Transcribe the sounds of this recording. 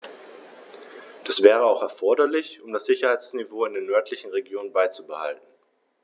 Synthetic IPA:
d̥asv̥ɛːʁ̞əaʊxɛɐfɔɐdɐlɪçʊmdasz̥ɪçɐhaɪt͡snivoːɪndeːnːœɐtʰlɪçn̩ʁeɡjoːnənbaɪt͡subəha̰ltn̩

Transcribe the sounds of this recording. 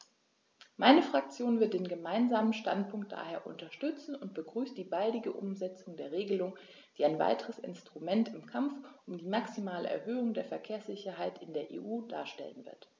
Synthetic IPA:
maɪnəfʁ̥ak̚t͡sjoːnvɪɐt̚d̥eːnɡəmaɪnzaːmənʃta̰nt̚pʰʊŋk̚t̚d̥a̰ːheːɐʔʊ̰ntɐʃtʏt͡sn̩ʊnt̚b̥əɡʁyːstd̥iːbaldɪɡəʔʊ̰mzɛt͡sʊŋdeːɐʁeːɡəlʊŋ | d̥iːaɪnva̰ɪtəʁəsɪ̰nstʁ̥umɛntɪmkʰamfʔʊmdiːmaksimaːlə̰ʔɛ̰ɐɦøːʊŋdeːɐfɛɐkʰeːɐsz̥ɪçɐɦaɪtɪndeːɐʔḛːʔuːda̰ːɐʃtɛ̰lənvɪ̰ɐt

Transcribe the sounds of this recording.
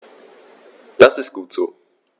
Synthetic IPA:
d̥asɪst̚ɡ̥uːtz̥oː

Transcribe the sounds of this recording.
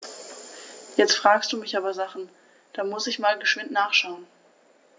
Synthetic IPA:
jɛt͡stfʁ̥aːkstd̥uːmɪçʔaːbɐzaχn̩ | d̥aːmʊsɪçmaːlɡəʃv̥ɪntnaːχʃaʊən

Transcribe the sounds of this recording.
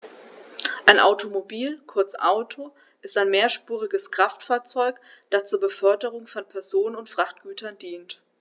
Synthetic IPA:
ʔaɪnʔa̰ʊtʰomobiːlkʰʊɐt͡sʔaʊtʰo | ʔɪstaɪnmeːɐʃpuːʁ̞ɪɡəskʁ̥aftfaːɐt͡sɔʏkd̥ast͡suːɐbəfœɐdəʁ̞ʊŋfɔnpʰɛɐzoːnənʊntfʁ̥aχt̚ɡ̥yːtʰɐndiːnt

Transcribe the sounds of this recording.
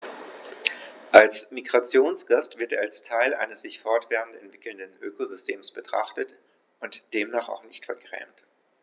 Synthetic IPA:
ʔalsmiɡʁat͡sjoːnsɡ̥astv̥ɪɐteːɐalstʰaɪlʔa̰ɪnəsz̥ɪçfɔɐtv̥ɛːʁəntɛntv̥ɪkl̩ndənʔøːkozʏstʰeːmsb̥ətʁ̥a̰χtət | ʔʊntd̥eːmnaːχa̰ʊxnɪçtfɛɐɡʁɛ̰ːmt

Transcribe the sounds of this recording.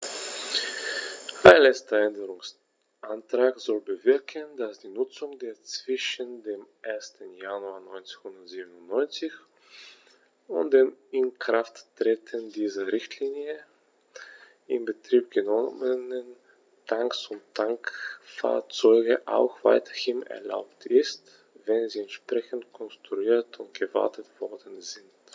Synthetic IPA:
ʔaɪnlɛstɐɛndəʁʊŋs | ʔantʁ̥aːkz̥ɔlbəvɪɐkʰəndasd̥iːnʊt͡sʊŋdeːɐt͡sv̥ɪʃəndeːmʔeːɐstən̩januaːɐnɔʏnt͡sɪnhʊndɐtz̥iːbənʊntnɔʏnt͡sɪç | ʊ̰nt̚d̥eːmɪnkʁ̥afttʁ̥eːtʰəndiːzɐʁɪçtʰliːnjə | ʔɪmbətʁ̥iːp̚ɡ̥ənɔmənən | tʰaŋksʊnttʰaŋkfa̰ːɐt͡sɔʏɡəʔa̰ʊxv̥a̰ɪtʰɐ̥hɪmɛ̰ɐla̰ʊptʰɪst | v̥ɛnziːɛntʃpʁ̥ɛçn̩tkʰɔnstʁ̥uiːɐtʰʊnt̚ɡ̥əva̰ɐtʰətv̥ɔɐdn̩zɪnt

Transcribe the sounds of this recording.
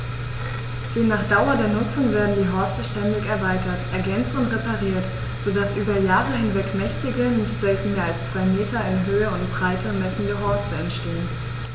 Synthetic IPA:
z̥ɪːnaːχd̥aʊɐdeːɐnʊt͡sʊŋveːɐdn̩diːɦɔɐstəʃtɛndɪçɛɐvaɪtɐtʔɛɐɡɛnt͡stʊntʁepaʁiːɐt | z̥odasʔyːbɐjaːʁəɦɪnvɛkmɛçtɪɡənɪçtz̥ɛltn̩meːɐalst͡sv̥aɪmeːtɐɪnɦøːəʊntb̥ʁaɪtəmɛsn̩ɡəɦɔɐstəɛntʃteːən

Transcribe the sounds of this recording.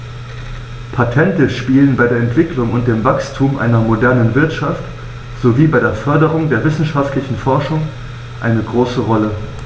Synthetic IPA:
pʰatʰɛntəʃpiːlənbaɪdeːɐɛntv̥ɪklʊŋʊnt̚d̥eːmvakstʰuːmʔa̰ɪnɐmodɛɐnənvɪɐtʃaft | z̥oviːbaɪdeːɐfœɐdəʁ̞ʊŋdeːɐvɪsn̩ʃaftʰlɪçn̩fɔɐʃʊŋ | ʔaɪnəɡʁoːsəʁɔlə

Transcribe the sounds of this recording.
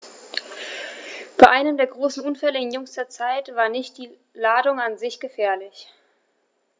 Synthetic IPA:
b̥aɪʔaɪnəmdeːɐɡʁoːsn̩ʔʊnfɛləɪnjʊŋsd̥eːɐt͡saɪtv̥aːɐnɪçt̚d̥iː | laːdʊŋanzɪçɡ̥əfɛːɐlɪç

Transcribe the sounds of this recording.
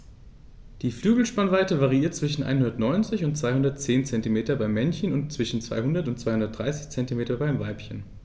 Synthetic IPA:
d̥iːflyːɡl̩ʃpanvaɪtəvaʁiiːɐt̚t͡sv̥ɪʃn̩ʔa̰ɪnhɦʊndɐtnɔʏnt͡sɪçʊnt̚t͡sv̥aɪhʊndɐt̚t͡seːnt͡sɛntimeːtɐbaɪmːɛnçənʊntt͡sv̥ɪʃn̩t͡sv̥a̰ɪhʊndɐtʊntt͡sv̥aɪhʊndɐtd̥ʁa̰ɪsɪ̥çt͡sɛntimeːtɐbaɪmvaɪpçən

